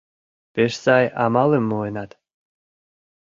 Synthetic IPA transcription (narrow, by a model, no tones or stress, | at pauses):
peʃsɑjɑmɑlemːoenɑt̪